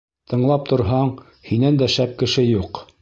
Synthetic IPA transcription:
t̪ʰɤ̆ɴlˠɑp̚t̪ŏɾɦɑɴ | hinænd̪æʃæp̚kɘ̆ʃɘjuq

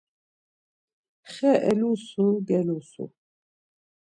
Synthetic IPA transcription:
χɛʔɛ̰lusuɡɛlusṵ

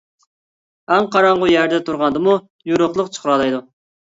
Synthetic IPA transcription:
ɛŋqʰɑɾɑɴʁʊjæɾd̪ɛt̪ʰuɾʁɑnd̪ɨmu | juɾʊχlˠəqt͡ʃʰə̥χɾɑlˠɑjd̪u

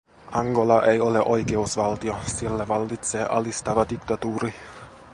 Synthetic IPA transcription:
ʔɑŋɡo̞lɑʔejoleʔo̞jkeusʋɑlt̪iosilːæʋɑlːit̪se̞ːʔɑlist̪ɑʋɑd̪ikt̪ɑt̪uːɾi

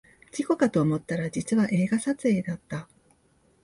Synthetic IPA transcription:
d͡ʑiko̞kat̪o̞ːmo̞t̪ːaɾad͡ʑit͡sɨβaʔe̞ːɡasat͡sɨe̞ːd̪at̪ːa

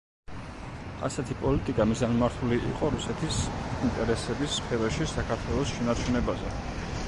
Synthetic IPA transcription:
a̰sɛt̪ʰipʼɔlit̪ʼikʼamizanmaɾt̪ʰuliʔḭqʼɔɾusɛt̪ʰisint̪ʼɛɾɛsɛbisχɛvɛʃisakʰaɾt̪ʰwɛlˠɔsʃɛnat͡ʃʰunɛbazɛ

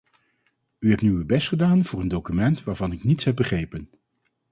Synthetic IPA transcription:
yɦɛp̚nyəbɛstχədaːnv̥ʊːɹəndowkymɛntʋaːɹvɑnɪknitsɦɛp̚bəχrejpən

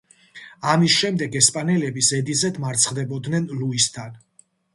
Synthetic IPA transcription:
amisʃɛmd̪ɛɡɛspʼanɛlɛbisɛd̪izɛd̪maɾt̪sʰχd̪ɛbɔd̪nɛnluist̪ʰan

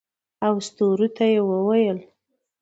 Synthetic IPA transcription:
awst̪oɾut̪ajewəwajəl

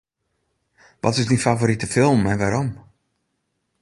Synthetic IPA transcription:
ʋɔ̰tɪsdifavoɾitəfɪlˠmɛnʋaɾɔm

